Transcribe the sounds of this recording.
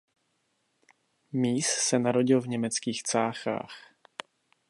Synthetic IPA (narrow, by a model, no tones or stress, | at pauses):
miːssɛnaɾo̞ɟɪlvɲɛmɛt͡skiːxt͡saːxa̰ːx